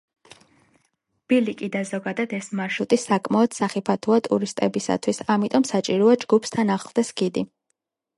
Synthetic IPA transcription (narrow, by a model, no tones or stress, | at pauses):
b̥ilikʼid̪azɔɡad̪ad̪ɛsmaʃut̪ʼisakʼmaɔd̪̥saχipʰat̪ʰuat̪ʼṵɾist̪ʼɛbisa̰t̪ʰwisamit̪ʼɔmsat͡ʃʼiɾɔad͡ʒɡupʰst̪ʰanaχlˠd̪̥ɛsɡid̪i